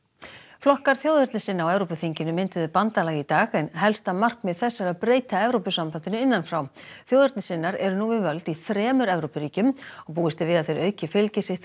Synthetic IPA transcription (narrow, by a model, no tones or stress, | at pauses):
flɔhkaɾ̥θjoːwðʏɾt̪nɪsɪnːaawɛvɾowpʏθiɲcɪnʏmɪnt̪ʏðʏpant̪alɛːɣit̪aːɣɛnɦɛlst̪amar̥kmɛðθɛsːaɾaðpɾeːjt̪aɛvɾowpʏsampant̪ɪnʏɪnːanfɾawθjoːwðʏɾt̪nɪsɪnːaɾɛɾʏnuːvɪvœlt̪ifɾɛːmʏɾɛvɾowpʏɾiːcʏmɔɣpuːɪst̪ɪvɪðaðθejɾœːɥcɪfɪlcɪsɪht̪